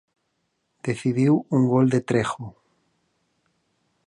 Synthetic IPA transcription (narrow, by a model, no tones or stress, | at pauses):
d̪̥eθiðiwuŋɡold̪et̪ɾexo